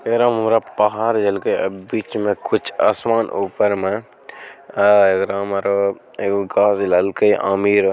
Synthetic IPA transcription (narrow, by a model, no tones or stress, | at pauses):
eɡɾãːmmɾapɐɦaːɾd͡ʒɐlkəiɐbiːt͡ʃmẽkʊt͡ʃʰa̰ːsmaːnʔuːpəɾmẽ | eɡɾaːmɾo | ɡaːzlɐlkəiʔa̰ːmiːɾ